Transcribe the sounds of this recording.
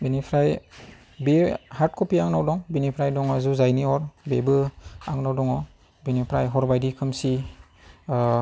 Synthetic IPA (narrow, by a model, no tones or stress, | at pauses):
binipʰɾaj | behaɾt̚kʰɔpiaŋnawdɔŋbinipʰɾajdɔŋazuzajniɔɾbebɯa̰ŋnawdɔŋɔ | binipʰɾa̰jɦɔɾbajdikʰɯmsi